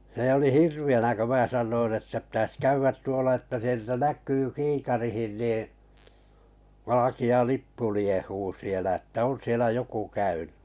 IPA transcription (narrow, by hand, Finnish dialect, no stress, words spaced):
n̞e oli hirʋiænæ kø mæː sɑnːoin etːæ pĭtæs kæyʋːæt tuolɑ etːæ sieltæ næk̆yː kiːkɑrihin niːĩ ʋɑlɑkiɑ lipːu liehuː sielæ̆ etːæ on sielæ joku kæynẙ